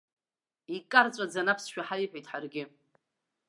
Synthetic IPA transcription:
ikʼart͡sʷʼad͡zanapʰsʃᶣaħajɪħʷᶣejtʰʼħarɡʲɪ

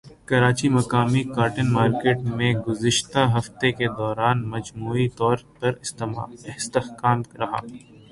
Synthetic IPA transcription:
kɐɾaːt͡ʃimɐkaːmikaːɾʈənmaːɾkeːʈmẽɡʊzɪʃt̪aɦɐft̪eked̪ɔːɾaːnmɐd͡ʒmuːit̪ɔːɾpɐɾɪsɪst̪ɪxkaːmɾɐɦa̰ː

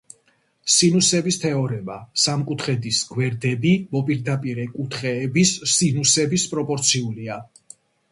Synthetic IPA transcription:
sinusɛbist̪ʰɛɔɾɛbasamkʼut̪ʰχɛd̪isɡwɛɾd̪ɛbimɔpʼiɾd̪apʼiɾɛkʼut̪ʰχɛːbisːinusɛbispʼɾɔpʼɔɾt̪sʰiulia

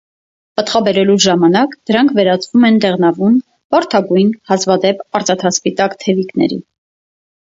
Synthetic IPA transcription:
pət̪χɑbɛɾɛluʒɑmɑnɑkd̪̥əɾɑŋkʰvɛɾɑt͡svumɛnd̪ɛʁnɑvun | bɑɾt̪ʰɑɡujnhɑzvɑd̪ɛpɑɾt͡sɑt̪ʰɑspit̪ɑkt̪ʰɛviknɛ̰ɾḭ

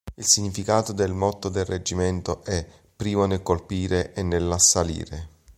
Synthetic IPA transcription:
ilsiɲːifikaːt̪od̪elmɔt̪ːod̪elred͡ʒːimɛnt̪oʔɛ | pːɾiːmonelkolpiːɾeʔenːelːasːalḭːɾe

